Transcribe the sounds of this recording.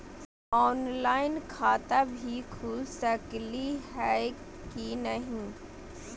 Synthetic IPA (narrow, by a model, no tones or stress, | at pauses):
ɔːnlaːɪnkʰaːt̪abʱikʰuːlsəkliɦɛ | kinɐɦĩ